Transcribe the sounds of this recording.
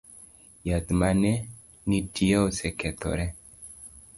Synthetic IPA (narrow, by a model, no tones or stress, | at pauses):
jad̪mane | nitʰiawseket̪o̰ɾe